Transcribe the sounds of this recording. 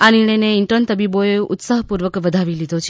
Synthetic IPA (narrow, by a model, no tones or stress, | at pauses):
aniɳ̃əjneɪɳʈənt̪əbiboeʊ̰t̪saɦpuɾʋəkʋəd̪ʱaʋilid̪ʱot͡ʃʰ